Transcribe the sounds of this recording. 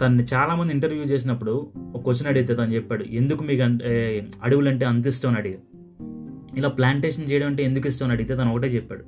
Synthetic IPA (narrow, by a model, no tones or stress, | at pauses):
t̪ɐnːit͡ʃaːlaːmɐnd̪iɳʈɐɾʋjuːt͡ʃe̞ːs̬inɐpːuɽuɔkːɐʋɐt͡ʃːinɐɽiɡit̪̬eːt̪ɐnut͡ʃɛpːaːɽṵe̞nd̪ukumiːkɐ | ɐɽuʋulɐɳʈe̞ːɐnt̪̬isʈɐʋɐnɐɽiɡa | ilaːplaːɳʈeːʂɐnt͡ʃɛːjɐɽɐmɐɳʈeend̪ukis̬ʈɐʋɐnɐɽiɡit̪et̪ɐːnɔkɐʈ̬eːt͡ʃɛpːa̰ːɽu